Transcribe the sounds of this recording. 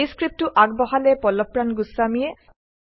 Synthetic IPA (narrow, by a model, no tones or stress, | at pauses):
iskɹip̚tʊʔaɡ̚bɔɦalɛpɔlɔpɹanɡusːamijɛ